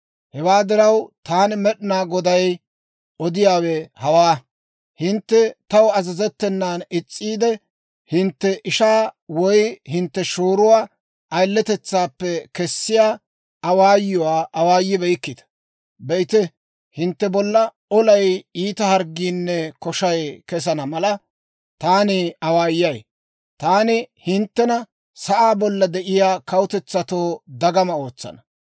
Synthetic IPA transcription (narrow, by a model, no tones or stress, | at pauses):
hɛwaːd̪ɪɾɐwt̪aːnmɛɗɪnaːɡɔd̪ɐj | ɔd̪ɪjaːwɛhɐwaː | hɪnt̪ːɛt̪ɐwɐzɐzɛt̪ːɛnːaːnɪt͡sʼːiːd̪ɛ | hɪnt̪ːɛʔɪʃaːwɔjhɪnt̪ːɛʃoːɾʊwaː | ʔɐjlːɛt̪ɛt͡sːaːpːɛkɛsːɪjaː | ɐwaːjːʊwaːʔɐwaːjːɪbɛjɪkːɪd̪ɐ̥ | bɛɪt̪ɛ | hɪnt̪ːɛbɔlːɐ | ɔlɐjiːt̪ɐhɐɾɡiːnːɛkɔʃɐjkɛs̬ɐnɐmɐlɐ | t̪aːnɪɐwaːjːɐj | t̪aːnɪhɪnt̪ːɛnɐ | sɐʔaːbɔlːɐd̪ɛʔɪjaːkɐwʊt̪ɛt͡sːɐt̪oːd̪ɐɡɐmɐo̞ːt͡sːɐ̰nɐ̥